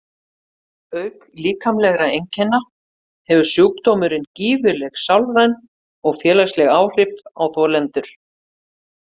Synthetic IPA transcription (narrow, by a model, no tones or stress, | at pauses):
œɥkliːkʰamlɛɣɾaejɲcʰɛnːa | hɛvʏ̥sjuwk̚t̪ɔːmʏɾɪnciːvʏlɛɣsawlvajn | ɔɣfjɛːlaslɛɣaːwr̥ɪpvawθɔlɛnt̪ʏɾ̥